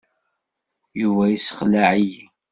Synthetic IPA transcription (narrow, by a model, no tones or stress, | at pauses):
juvæjisə̥χlaʕiji